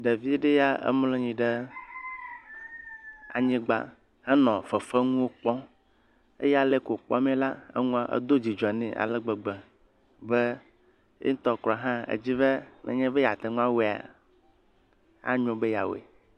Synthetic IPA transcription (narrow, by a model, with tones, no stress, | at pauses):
ɖe˨vi˦ɖe˦ja˦ə̰˦mlɔ̃˦ɲĩ˨ɖe˦ | a̰˨ɲĩ˦ɡ͡ba̰˦ | hã˦nɔ̃˨fə˨fə˦ŋũ˦wo˦k͡pɔ˦ | ḛ˦ja˦le˦ko˨k͡pɔ̰˦mẽ˦la˦ə̰˦ŋũ˦a˦ʔə̰˦d̪o˦d͡ʑi˨d͡ʒɔ˨nɛ̰̃˨ʔa̰˨lɛ˦ɡ͡bə˨ɡ͡bɛ˨ | be˦ | jḛ˦ŋ̩˦t̪ɔ˦klɔ˨ɦã˦ḛ˨d͡ʑi˦be˦nʔɛ̰˨ɲɛ̃˦be˦ja˨t̪e˨ŋũ˦a˦we˨a̰˨ | a̰˦ɲõ˨be˦ja̰˨wḛ˨